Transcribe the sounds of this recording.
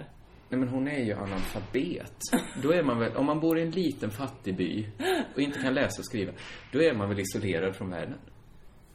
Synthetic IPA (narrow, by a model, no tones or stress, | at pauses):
nɛmɛnɦʊnæɾjɵʔa̰nalfabeːt̪d̪ɔæɾmanvɛlʔɔ̰mːanbuːɾɪɛnliːt̪ənfat̪ːɪby̰ːɔɪnt̪əkʰanlɛːsaɔskɾiːvad̪̥ɔæɾmanvɛlɪsɔleːɾad̪fɾɔnvæ̰ːɖən